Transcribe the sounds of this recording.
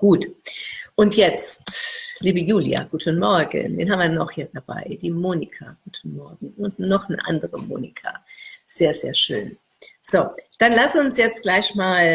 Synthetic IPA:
ɡ̥uːt | ʔʊntjɛt͡stliːbəjuːlj̰a̰ɡ̥uːtʰənmɔɐɡə̰ndḛːnɦaːbmviːɐnɔχhiːɐd̥aba̰ɪd̥iːmoːnikʰaɡ̥uːtʰən̩mɔɐɡŋ̩ʊntnɔχnəʔa̰ndəʁəmo̰ːnikʰa̰z̥eːɐzḛːɐʃø̰ːn | z̥oːd̥anlasʊnsjɛt͡stɡ̥laɪçmaːl

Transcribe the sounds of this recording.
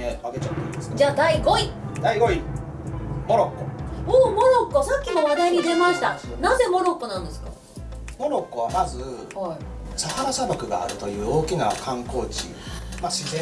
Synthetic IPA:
eβaɡet͡ɕat̪ːoḭsd͡ʑaːd̪aiɡo̞id̪aiɡo̞i | mo̞ɾokːooːmo̞ɾo̞kːo̞sakʲːimo̞βad̪aiɲ̟id̪e̞maɕi̥t̪anaze̞mo̞ɾo̞kːo̞nãnd̪e̞sɨ̥ka̰ | mo̞ɾo̞kːo̞β̞amazɨhaisahaɾasabokɯ̟ɡa̰ːɾɯ̟t̪o̞jɯ̟ːo̞ːkʲinakʰãŋko̞ːt͡ɕḭmaɕizẽ

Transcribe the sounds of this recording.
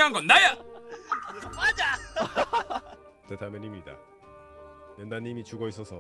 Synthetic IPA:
ɦanŋɡʌndaja | mad͡ʑa | tetʰamenimɲida̰ | jʌndaɲːimit͡ɕuɡʌis͈ʌsʰʌ

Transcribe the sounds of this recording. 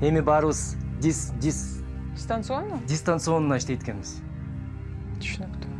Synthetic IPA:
e̞mibɑɾɯβɯzd̪ʲisdʲi | d̪ʲist̪ant̪sɨonnad̪ʲist̪ant̪sɨo̞nunɑiʃt̪e̞jt̪kʲe̞nbiz | t̪ʰy̥ʃynykt̪

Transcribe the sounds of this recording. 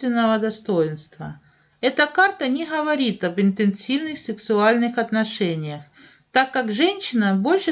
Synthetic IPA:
vʲɪnːəvəd̪ɐst̪ojɪnst̪və̰ | ɛt̪əkart̪ənʲɪɣəvɐɾʲit̪ɐbɨnt̪ɪnsʲivnɨxsʲɪksʊalʲnɨxɐt̪nɐʂɛnʲɪjəx | t̪akːakʐɛnʲɕɪnəbo̞lʲʂɨ

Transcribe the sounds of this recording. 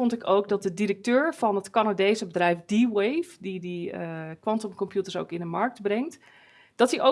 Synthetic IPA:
ɔntɪkowk̚dɑt̚dədiɾək̚tøːɹv̥ɑnɦətkanadejsəbədrɛjfdiwejfdidikwɑntəmkɔmpjutəɹso̰wkɪndəmɑɹk̚dbrɛŋt | d̥ɑtiʔo

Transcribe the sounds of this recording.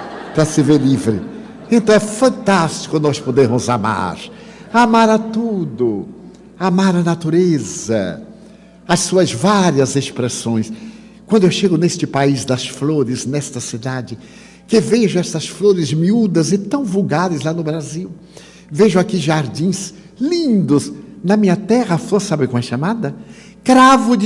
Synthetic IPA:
pɾɐsɪveɾlivɾɪ̰ | ẽnt̪ɐ̃w̃ɛfɐ̃nt̪ast͡ʃɪ̥kʊnɔspod̪eɾmʊzama̰ɾ | amaɾɐt̪ud̪ʊ | amaɾɐnat̪uɾezɐ̰ | ɐssuɐzvaɾiɐzespɾesõj̃s | kwɐ̃nd̪ʊewʃeɡʊnest͡ʃɪpaizd̪ɐsfloɾɪznɛst̪ɐsid̪ad͡ʒɪ | kɪveʒʊɛst̪ɐsfloɾɪzmiud̪ɐzɪt̪ɐ̃w̃vuɡaɾɪzlanʊbɾaziw | veʒʊakiʒaɾd͡ʒĩz | lĩnd̪ʊznɐmĩɲɐt̪ɛʁɐfosabɪkõw̃ɛʃamad̪ɐ | kɾavʊd͡ʒ

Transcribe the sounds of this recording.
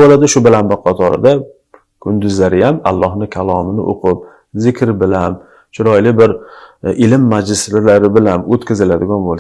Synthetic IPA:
bolad̪ɪʃʊbɪlambɪqʰɑt̪ʰɒɾɪ̰d̪a | kʰʊnd̪ʊzlaɾɪjama̰lˠːɒhnɪkʲʰalˠɒmɪnɪʔo̰qʰɨp̚ | zɪkʲɾbɪlam | t͡ʃʰʊɾɒjlɪbɪɾʔɪlɪmːad͡ʒlɪslɪlaɾɪbɪlanot̪kʰʲazɪlad̪ɪɡʲɒnbolˠ

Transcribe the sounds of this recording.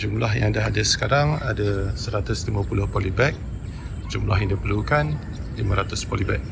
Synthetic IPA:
d͡ʒumlaɦjaŋadaɦadasə̥kaɾaŋa̰dasəɾat̪ʊslimãpulʊhpɔlibɛk̚ | d͡ʒumlaɦjandipəlukan | limãɾat̪ʊspɔlibɛk̚

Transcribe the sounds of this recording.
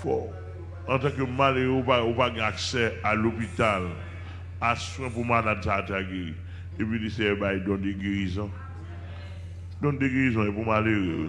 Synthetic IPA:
fɔ | ãt̪ãkømaleɣeupaupaɡɛ̃aksɛalopit̪al | aswɛ̃pumalad̚sataɡeḭ | epɥilesɛbajdɔ̃deɡeizɔ̃ | dɔ̃deɡeɣizɔ̃ɛpumaleɣḛw̰

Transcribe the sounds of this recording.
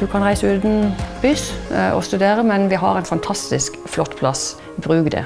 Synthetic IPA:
d̪ʉkʰɑnʁæɪsʉːd̪n̩b̥yːsʔɔ̰st̪ʉd̪eːʁəmɛnʋɪɦɑ̰ʁɛnfɑnt̪ʰɑst̪ɪskflɔt̪ːpʰlɑs | bʁʉːɡd̪ɛ̰

